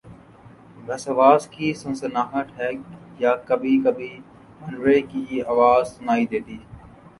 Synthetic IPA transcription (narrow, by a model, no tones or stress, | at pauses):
ɡʱəsaʋaːzkiːsənsənaːɦəʈ̪ɦɛːjaːkəbʱiːkəbʱiː | mənʋekiːaːʋaːzsʊnaːiːd̪eːt̪iː